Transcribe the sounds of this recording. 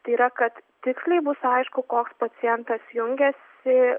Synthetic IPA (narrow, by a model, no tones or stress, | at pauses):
t̪ɐɪiːɾɐkɐt̪t̪ʲɪksʲlʲɛɪbʊsɐɪʃkʊkoːkspɐsʲɪjɛnt̪ɐsjʊŋʲɡʲɛsʲɪ